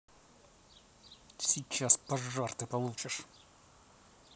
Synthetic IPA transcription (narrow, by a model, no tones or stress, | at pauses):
sʲɪt͡ɕːaspɐʐːart̪ɨpɐlˠut͡ɕɪʂ